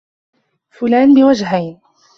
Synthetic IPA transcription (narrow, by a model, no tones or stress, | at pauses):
fʊlaːnbɪwad͡ʒɦajn